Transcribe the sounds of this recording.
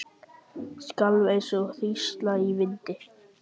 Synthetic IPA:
skalvejnsɔθist̪laivɪnt̪ɪ

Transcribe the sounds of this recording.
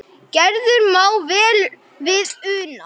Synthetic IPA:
cɛɾðʏɾmaːwvɛːl | vɪðʏːna

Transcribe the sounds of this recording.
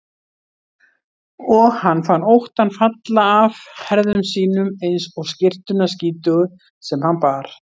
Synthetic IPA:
ɔɣhanːfanːowht̪anfat̪laːvhɛɾðʏmsiːnʏmejnsɔɣscɪr̥t̪ʏnasciːt̪ʏɣʏ | sɛmhanpaɾ̥

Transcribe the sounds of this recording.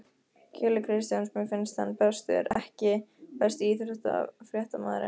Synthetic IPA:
cʰɛːlɪkʰɾɪst̪jansmɛfɪnst̪anpɛst̪ʏ̰ɾɛhcɪpɛst̪iːθɾʏht̪aa̰vfɾjɛht̪ama̰ːðɾɪ̰n

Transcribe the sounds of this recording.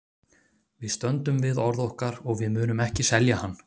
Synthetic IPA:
vɪðst̪œnt̪ʏmvɪðɔɾðɔhkaɾɔɣvɪðmʏːnʏmɛhcɪsɛljahanː

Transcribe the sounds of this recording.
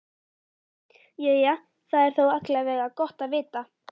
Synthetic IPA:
jɛja | θaðɛɾ̥θowat̪lɛavɛːɣakɔht̪aðvɪːt̪a

